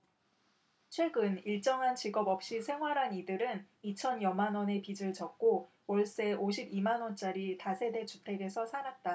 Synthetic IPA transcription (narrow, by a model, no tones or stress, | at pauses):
t͡ɕʰwe̞ɡɯniɭt͡ɕ͈ʌŋɦant͡ɕiɡʌbʌp̚ɕ͈isʰe̞ŋɦwaɾɦanidɯɾɯn | it͡ɕʰʌnjʌmanwʌne̞pid͡ʑɯɭt͡ɕʌk̚k͈o | wʌɭs͈e̞ʔoɕ̬ʰibimanwʌnt͡ɕ͈aɾitasʰe̞de̞t͡ɕupʰe̞ɡe̞sʰʌsʰaɾat̚t͈a